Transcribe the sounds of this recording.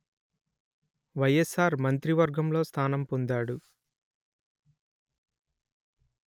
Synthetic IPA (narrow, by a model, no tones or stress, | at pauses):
ʋɐjesaːɾmɐnt̪ɾiʋɐɾɡɐmlo̞ːst̪ʰaːnɐmpond̪aːɽu